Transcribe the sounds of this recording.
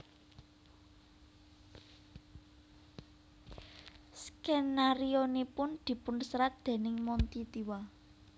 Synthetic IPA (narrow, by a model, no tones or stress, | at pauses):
skenaɾionipʊnd̪̥i̤pʊnsɾat̪̚d̪̥e̤nɪŋmɔnt̪it̪iwa